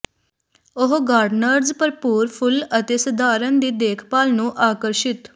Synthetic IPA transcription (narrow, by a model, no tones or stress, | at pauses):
ʊɦɡaːɾɖnəɾzpəɾpuːɾpʰʊlət̪eːsəd̪aːɾənd̪iːd̪eːkʰpaːlnũːʔaːkəɾʃɪt̪